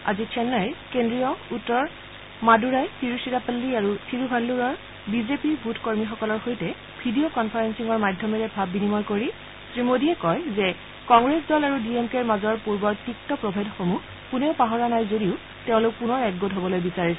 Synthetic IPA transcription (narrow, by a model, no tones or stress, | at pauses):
a̰zikʰɛnːajɹkendɹijɔutːɔɹ | maduɹajtiɹusitapalːiaɹutʰiɹubʱalːuɹɔɹ | bizepibʱutʰkoɹmixɔkɔlɔɹxojtɛ | bʱidijokɔnpʰaɹensiŋɔɹmadʱːɔmɛɹɛbʱabːinimɔjkoɹi | sɹimodiɛkɔjzɛ | kɔŋɡɹesdɔlaɹudiemkɛɹmazɔɹpuɹbɔɹtik̚tɔpɹɔbʱadxomu | kunɛʊpaɦɔɹanajzodiʊ | teʊ̃lʊk̚punɔɹɛɡɡotɦobɔlojbisaɹisɛ